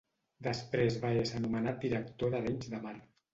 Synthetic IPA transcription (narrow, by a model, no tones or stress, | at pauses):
d̪əspɾezβaezənumənat̪̚d̪iɾək̚t̪oðəðeɲzðəmaɾ